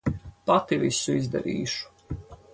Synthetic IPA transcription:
pat̪ivisuizd̪a̰ɾiːʃu̥

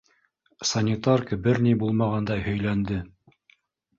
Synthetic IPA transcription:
sɐnʲɪt̪arkəbɘɾnibulˠmɑʁɑnd̪ɑjhɵ̆jlænd̪ɘ

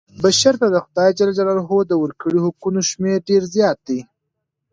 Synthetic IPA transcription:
baʃaɾt̪ad̪əxʊd̪ɑjad͡ʒalad͡ʒalaɾɦod̪əwəɾkəɽihʊkunoʃmeɾɖeɾzjɑt̪̚d̪i

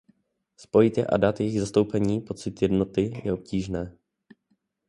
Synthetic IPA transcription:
spo̞jɪt̪jɛ̰ʔa̰dat̪jɛjɪɣzast̪o̞wpɛɲiːpo̞t͡sɪt̪jɛdno̞t̪ɪjɛ̰o̞p̚ciːʒnɛː

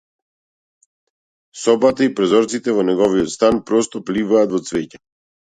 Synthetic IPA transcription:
sɔbat̪aipɾɔzɔɾt̪sit̪ɛvɔnɛɡɔviɔt̪st̪anpɾɔst̪ɔplivaːt̪vɔt̪svɛca

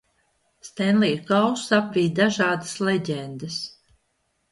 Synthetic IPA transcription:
st̪ɛnlˠiːkawsapvʲiːd̪aʒaːd̪ə̥slɛɟʲɛnd̪ɨs

